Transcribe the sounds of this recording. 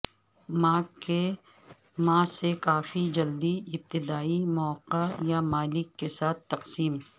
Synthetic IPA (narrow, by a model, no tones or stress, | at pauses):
mãːke | mãːsekaːfid͡ʒɐld̪iɪb̚t̪ɪd̪aːimɔːqajamaːlɪkːesaːt̪̚ʰːɐqsiːm